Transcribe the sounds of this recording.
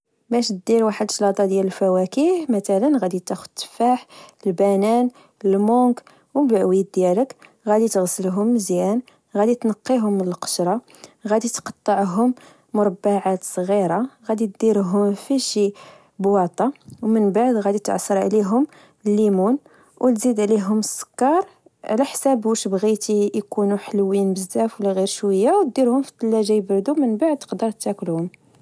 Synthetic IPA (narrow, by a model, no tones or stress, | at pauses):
bæʃt̪̚d̪iɾwaħəd̪ʃlɑt̪ˤɑd̪jæləlfæwækihmæt̪ælənɣæd̪it̪æxʊd̪t̪ːə̥faħəlbænæn | əlmʊk | wbəʕwid̪jælək | ɣæd̪it̪ɣsəlɦʊmːəzjæn | ɣæd̪it̪nɑqːiɦʊməlqə̥ʃɾˤɑ | ɣæd̪it̪qɑ̥t̪ˤːəʕɦʊm | mʊɾˤɑbːaʕat̪sˤɣiɾˤɑɣæd̪it̪̚d̪iɾɦʊmfiʃi | bwɑt̪ˤɑwmənbaʕd̪ɣæd̪it̪ʕɑ̰sˤːəɾˤʕ̰liɦʊm | əlːimun | wəlzid̪ʕliɦʊməsˤːə̥kːɑɾˤ | ʕlæħsæbwəʃbɣit̪ijkunuħəlwinbəzːæfwlæɣiɾʃwəjːawt̪̚d̪iɾhʊmfi̥t̪ˤːlːæʒæjbɾd̪umənbaʕd̪̚t̪ə̥qd̪əɾˤt̪ːæklhʊm